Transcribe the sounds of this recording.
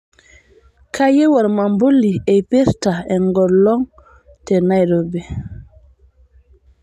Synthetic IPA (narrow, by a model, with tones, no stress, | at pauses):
kʰa˦je˦wa˨ɾma˨mbo˦lːi˨e˨jpe˦ɾta˨e˨ŋɡɔ˨ɾlɔ˦ŋ | tɛ˨na˦jɾo˨bɛ˨